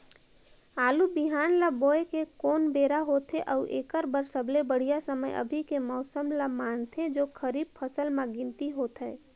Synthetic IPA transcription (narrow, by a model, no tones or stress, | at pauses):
aːlubɪɦaːnlaboːekekoːnbeːɾaɦoːt̪eʔɔʊʔeːkəɾbəɾsəbʱlebəɽ̤ijasəmə̰jʔə̰bʱikemɔːsəmlamaːnt̪ʰẽd͡ʒoːkʰəɾiːb̚pʰəsəlmãɡɪ̃nt̪iɦoːt̪ɦɛ